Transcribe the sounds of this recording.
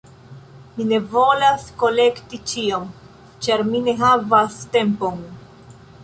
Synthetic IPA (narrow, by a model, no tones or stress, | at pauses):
mine̞vo̞lasko̞le̞ktit͡ʃiom | t͡ʃaɾmine̞ɦavaste̞mpo̞n